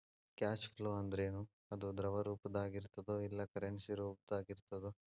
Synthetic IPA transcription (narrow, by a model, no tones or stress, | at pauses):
kaːt͡ʃpʰloːɐnd̪ɐɾeːnu | ɐd̪ud̪ɾɐʋɐɾuːpɐd̪aːɡiɾt̪ɐd̪oilːɐkɐɾeɳsiɾuːp̚d̪aːɡiɾt̪ɐd̪u